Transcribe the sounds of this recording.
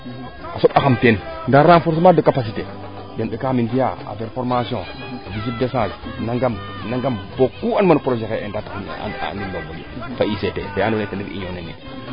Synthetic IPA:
asoɓaxamtenndaɾafoɾs̬madəkapas̬ite | demɗekamindijaa̰veɾfoɾmasjõ̰ | avizit̚desãsnaŋɡam | naŋɡambokːuanmanpɾoʒekeendata̰nimːobolo̰faisetḛbeanetenikḭɲonenḭ

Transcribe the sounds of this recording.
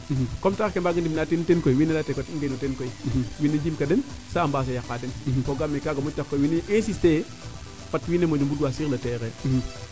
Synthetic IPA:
m̩komtakembaɡindimnaːtinutenkoiwinelatekotiɡenutenkoim̩mwinːed͡ʒimkadensaambas̬ajakːadenkoɡamːekaɡamutakːoiwineʔesiste | patwinemodimbuduasilatekem̩

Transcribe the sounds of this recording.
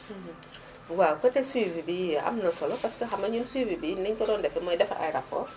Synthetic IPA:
wakətɛswivibiʔa̰mnəsɔlɔpaskəɦamaɲunswivibiniɲkɔdɔndɛfɛmɔjdɛfa̰ʔa̰jɾapɔ̰

